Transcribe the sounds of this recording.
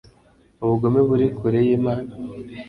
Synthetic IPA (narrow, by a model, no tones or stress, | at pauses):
uβuɡo̞meβuɾikuɾejeːmaːna